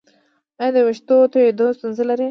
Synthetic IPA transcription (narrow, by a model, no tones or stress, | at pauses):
ad̪əwɪʃt̪ot̪ojed̪ost̪unzəlaɾi